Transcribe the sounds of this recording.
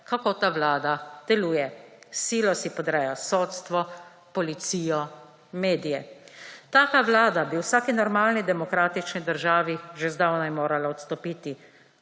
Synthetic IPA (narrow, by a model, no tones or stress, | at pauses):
kakoːt̪aːʋlaːd̪ad̪̥ɛluːjɛsiːlɔsipɔd̪ɾɛjasoːt̪st̪ʋɔ | pɔlit̪siːjɔ | meːd̪ijɛt̪aːkaʋlaːd̪abiwsaːkinɔɾmaːlnid̪ɛmɔkɾaːt̪it͡ʃnid̪əɾʒaːʋiʒezd̪awnajmoːɾalaɔt̪st̪ɔpiːt̪i